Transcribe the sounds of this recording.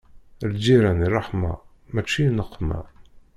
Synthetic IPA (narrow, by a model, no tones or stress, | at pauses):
ɾd͡ʒiɾænirˤːɑħmɑ̰ | mæt͡ʃːinəqʰːmæ̰